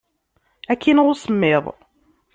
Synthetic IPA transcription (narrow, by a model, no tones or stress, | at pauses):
ækʰːinəðˤusəmːeðˤ